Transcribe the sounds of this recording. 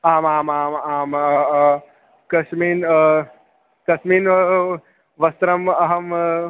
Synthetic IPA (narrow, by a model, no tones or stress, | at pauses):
aːmaːmaːmaːmɐ | kɐsmiːn | kɐsmin | ʋɐst̪ɾɐmɐɦəm